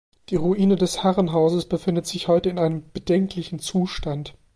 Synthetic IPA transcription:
d̥iːʁuʔiːnədɛshaʁənɦaʊzəsb̥əfɪndətz̥ɪçhɔʏtəɪnaɪnəmb̥ədɛŋklɪçn̩t͡suːʃtant

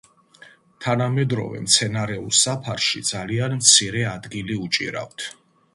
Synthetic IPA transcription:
t̪ʰanamɛd̪ɾɔ̰vɛ̰mt̪sʰɛnaɾɛulˠsapʰaɾʃid̪zalianmt̪sʰiɾɛad̪ɡiliut͡ʃʼḭɾa̰ft̪ʰ

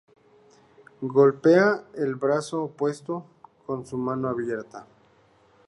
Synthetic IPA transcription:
ɡo̞lpe̞aelβɾasoːpwe̞st̪o̞ | ko̞nsumanoaβje̞ɾt̪a

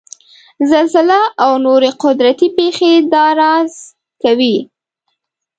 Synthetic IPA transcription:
zalzɪlaawnoɾeqʊd̪ɾat̪ipexed̪ɑɾɑz̥ | kawi

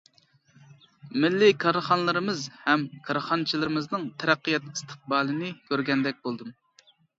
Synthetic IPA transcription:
mɪlːɪkʰɑɾχɑnlˠɨɾɨmɨzhɛmkʰɑɾχɑnt͡ʃʰilɨɾɪmɨznɨŋt̪ʰɛɾɛqːijɛt̪i̥st̪ʰə̥q̚bɑːlˠɨnɨkʲʰøɾɡʲɛnd̪ɛk̚ʲbolˠd̪ɨm

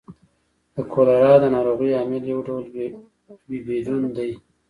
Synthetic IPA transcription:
d̪̥əkʰolaɾɑd̪ənɑɾoɣijɑːmɪljawɖawl | bibed̪und̪aj

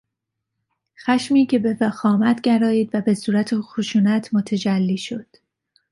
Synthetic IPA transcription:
xæʃmiːcʰe̞be̞fæxɒːmæt̪ʰɟæɾɒːiːd̪væbe̞suːɾæt̪ʰexoʃuːnæt̪ʰmo̞t̪ʰæd͡ʒælːiːʃo̞d̪̥

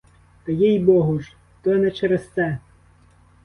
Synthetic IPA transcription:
t̪ɐjijbɔɦʊʒ | t̪ɔnɛt͡ʃɛɾest̪sɛ

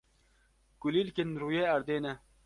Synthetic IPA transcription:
kuliːlkenɾuːjeːɐɾd̪eːnɛ

